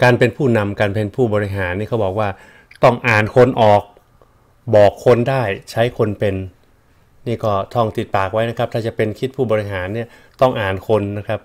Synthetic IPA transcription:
kaː˧npe˧npʰuː˥˩na˧mkaː˧npe˧npʰuː˥˩bɔː˧ɾi˧˦˥ɦaː˩˦nːiː˥˩kʰa˦˥wbɔː˨˩k̚waː˥˩ | t̪ɔ˥˩ŋʔaː˨˩nkʰo˧nʔɔː˨˩k̚ | bɔː˨˩kʰːo˧ndaː˥˩jt͡ɕʰa˦˥jkʰo˧npe˧nː | iː˥˩kɔː˥˩t̪ʰɔ˥˩ŋt̪i˨˩t̪̚paː˨˩k̚wa˦˥jna˦˥kʰa˦˥p̚t̪ʰaː˥˩t͡ɕa˨˩pe˧nkʰi˦˥t̪̚pʰuː˥˩bɔː˧ɾi˧ɦaː˩˦nːi˥˩ɐ | t̪ɔ˥˩ŋʔaː˨˩nkʰo˧nːa˦˥kʰa˦˥p̚

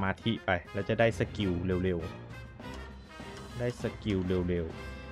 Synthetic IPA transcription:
maː˧t̪ʰi˧˥ʔpa˧jlɛː˧˩wt͡ɕa˨˩ʔdaː˥˩jsa˧ki˨˩wleː˧˩wle˧w | daː˥˩jsa˧ki˨˩wle˧wleː˧w

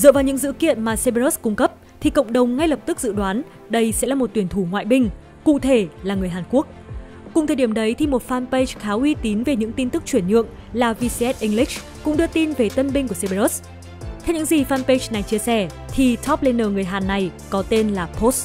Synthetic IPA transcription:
zə̰ː˧˨vaː˨˩wɲɨ̰˧˥ŋzɨ̰˧˥kḭ˧˨ənmaː˨˩se˧ɓe˧ɾo˦˥skʊ˧ŋ͡mkə˦˥p̚ | t̪ʰi˨˩kə̰˧˨wŋ͡mɗə˨˩wŋ͡mŋa˧jlə˨˩p̚t̪ɨ˦˥k̚zɨ̰˧˨ɗwaː˨˦n | ɗə˧jsɛ̰˧˥laː˨˩mo˨˩t̚t̪wənt̪ʰu˧˩ŋwa̰ː˧˨jɓï˧ŋ̟ | kṵ˧˨t̪ʰe˧˩laː˨˩ŋɨ˨˩əjɦaː˨˩nku˦˥ək̚ː | ʊ̰˨˧˨ŋ͡mt̪ʰəː˨˩ɗi˧˩əmɗə˨˦jt̪ʰi˨˩mo˨˩t̚faː˧npe˧t͡ɕxaː˨˦wʔi˧t̪i˨˦nve˨˩ɲɨ̰˧˥ŋt̪i˧nt̪ɨ˦˥k̚t͡ɕwi˧˩ənɲɨ̰˧˨əŋ | laː˨˩vi˧si˧ʔɛ˦˥t̚ʔï˧ŋli˦˥k̚ | kʊ̰˧˥ŋ͡mɗɨ˧ət̪i˧nve˨˩t̪ə˧nɓï˧ŋ̟ku˧˩əse˧ɓe˧ɾo˦˥s | t̪ʰɛ˧wɲɨ̰˧˥ŋzi˨˩faː˧npe˧t͡ɕna˨˩jt͡ɕi˧əsɛ˧˩ | t̪ʰi˨˩t̪ʰɔ˦˥p̚le˧nːəː˨˩ŋɨ˨˩əjɦaː˨˩nːa˨˩jkɔ˨˦t̪e˧nlaː˨˩pʰo˦˥s

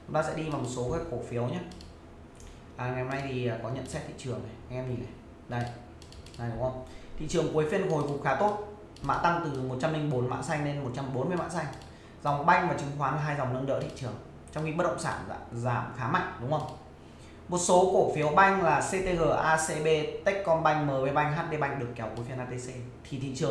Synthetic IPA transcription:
t͡ɕʊ˦ŋ͡mt̪aː˧sɛ̰˧˥ɗi˧vaː˨˩mo˨˩t̚so˨˦kaː˨˦ko˧˩fi˨˦əwɲaː˦ | ʔaː˨˩ŋa˨˩jha˨mna˧jt̪ʰi˨˩ʔəː˨˩kɔ˨˦ɲə̰˧˨nsɛ˦˥t̚t̪ʰḭ˧˨t͡ɕɨ˨˩əŋʔə˨˩jʔa˧jŋʔɛ˧mɲi˨˩nə˨˩j | nə˨˩j | na˨˩ɗʊ˨˦ŋ͡mhə˧wŋ͡mt̪ʰḭ˧˨t͡ɕɨ˨˩əŋku˨˦jfi˧ən̚˨˩ho˨˩jvʊ˨˩k͡p̚xaː˨˦t̪o˦˥t̚ | ma̰ː˧˨t̪a˧ŋt̪ɨ˨˩mo˨˩t̚t͡ɕa˧mːli˧ŋɓo˨˦nma̰ː˧˨sa˧jŋne˧nmo˨˩t̚t͡ɕa˧mɓo˨˦nmɨ˧əma̰ː˧˥nsa˧jŋ̟ | za˨˩wŋ͡mɓa˧jŋ̟maː˨˩t͡ɕɨ˨˦ŋxwaː˨˦nlaː˨˩ɦaː˧jza˨˩wŋ͡mnə˧nɗə̰ː˧˥t̪ʰḭ˧˨t͡ɕɨ˨˩əŋ | t͡ɕɔ˧wŋ͡mxi˧ə˦˥ɗə̰˧˨ŋ͡msa̰ː˧˩nzaː˧˩mxaː˨˦ma̰˧˥k̚ɗʊ˨˦ŋ͡mhə˧wŋ͡m | mo˨˩t̚so˨˦ku˧˩əfi˨˦əwɓa˧jŋ̟laː˨˩se˧t̪e˧ɣəː˨˩ʔaː˧se˧ɓe˧t̪e˦˥k̚kɔ˧nɓa˧jŋ̟məː˨˦ɓe˧ɓa˧jŋ̟ɦaː˦˥t̚ɗe˧ɓa˧jŋ̟ɗɨ˨˩əkːɛ˨˦wku˨˦fi˧ənʔaː˧t̪e˧se˧ | t̪ʰi˨˩ḭ˧˨t͡ɕɨ˨˩əŋ

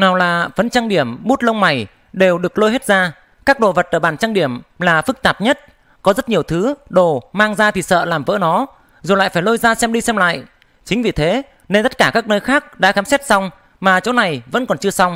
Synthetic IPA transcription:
naː˨˩wlaː˨˩fə˨˦nt͡ɕa˧ŋɗi˧˩əmɓu˦˥t̚lə˧wma˨˩j | ɗe˨˩wɗɨ˨˩ək̚lo˧jɦe˦˥t̚zaː˧ | kaː˦˥k̚ɗo˨˩və˨˩t̚ʔəː˧˩ɓaː˧˩nt͡ɕa˧ŋɗi˧˩əmlaː˨˩fɨ˦˥k̚t̪aː˨˩p̚ɲə˦˥t̚ | kɔ˨˦zə˦˥t̚ɲi˨˩əwt̪ʰɨ˨˦ɗo˨˩maː˧ŋzaː˧t̪ʰi˨˩sə̰ː˧˨laː˨˩mvə̰ː˧˥˦nɔ˨˦ | zo˨˩la̰ː˧˨jfaː˧˩jlo˧jzaː˧sɛ˧mɗi˧sɛ˧mla̰ː˧˨jʔ | t͡ɕï˨˦ŋ̟vi˨˩t̪ʰe˨˦ | ne˧nt̪ə˦˥t̚kaː˧˩kaː˦˥k̚nəː˧jxaː˦˥k̚ɗa̰ː˧˥xaː˨˦msɛ˦˥t̚sa˧wŋ͡m | maː˨˩t͡ɕo̰˨˦na˨˩jvə̰˧˥nkɔ˨˩nt͡ɕɨ˧əsa˧wŋ͡m

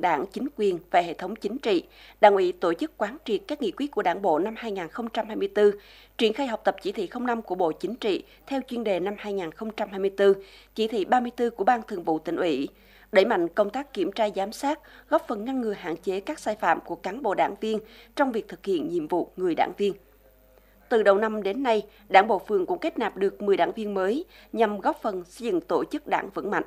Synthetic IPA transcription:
ɗa̰ː˧˩ŋt͡ɕï˨˦ŋ̟kwi˨˩ənva˨˩hḛ˧˨t̪ʰə˨˦wŋ͡mt͡ɕï˨˦ŋ̟t͡ɕḭ˧˨ɗa̰ː˧˩ŋʔi˧˦t̪o˧˩t͡ɕɨ˦˥k̚kwaː˨˦nt͡ɕi˨˩ət̚kaː˦˥k̚ŋḭ˧˨kwət̚ku˧˩əɗaː˧˥ŋɓo̰˧˨na˧mhaː˧jŋaː˨˩nxə˧wŋ͡mt͡ɕa˧mhaː˧jmɨ˧əjt̪ɨ˧ | t͡ɕwi˧˩ənxaː˧jɦa˨˩wk͡p̚t̪ə˨˩p̚t͡ɕi˧˩t̪ʰḭ˧˨xə˧wŋ͡mna˧mku˧˩əɓo̰˧˨t͡ɕï˨˦ŋ̟t͡ɕḭ˧˨ | t̪ʰɛ˧wt͡ɕwi˧ənɗe˨˩na˧mhaː˧jŋaː˨˩nxə˧wŋ͡mt͡ɕa˧mhaː˧jmɨ˧əjt̪ɨ˧t͡ɕi˧˥˩t̪ʰḭ˧˨ɓaː˧mɨ˧əjt̪ɨ˧ku˧˩əɓaː˧nt̪ʰɨ˨˩əŋvṵ˧˨t̪ï˧˩ŋ̟ʔwi˧˩˥ | ɗe˧˩jma̰˧˨jŋkə˧wŋ͡mt̪aː˦˥kkːi˧˩əmt͡ɕaː˧zaː˨˦msaː˦˥t̚ɣɔ˦˥p̚fə˨˩nŋa˧nŋɨ˨˩əjɦa̰ː˧˨nt͡ɕe˨˦kaː˦˥k̚saː˧jfa̰ː˧˨mku˧˩əkaː˨˦nɓo̰˧˨ɗa̰ː˧˩ŋvi˧ənt͡ɕɔ˧wŋ͡mvi˨˩ək̚t̪ʰɨ˨˩k̚hḭ˧˨ənɲḭ˧˨əmvṵ˧˨ŋɨ˨˩əjɗa̰ː˧˩ŋvi˧ən | t̪ɨ˨˩ɗə˨˩wna˧mɗe˨˦nːa˧j | ɗaː˧˩ŋɓo̰˧˨fɨ˧˩əŋkʊ̰˧˥ŋ͡mke˦˥t̚naː˨˩p̚ɗɨ˨˩ək̚ŋɨ˨˩əjɗaː˧˩ŋvi˧ənməː˨˦jɲa˨˩mɣɔ˦˥p̚fə˨˩nsə˧jzɨ̰˧˨ŋt̪o˧˩t͡ɕɨ˦˥k̚ɗa̰ː˧˩ŋvə̰˧˥nma̰˧˨ŋʔ

